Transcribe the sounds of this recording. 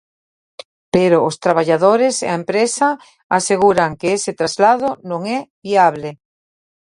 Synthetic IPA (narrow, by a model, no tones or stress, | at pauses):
peɾoːst̪ɾaβaʎaðoɾesḛaempɾesa | aseɣuɾaŋkeeset̪ɾazlaðʊnõŋɛβiaβle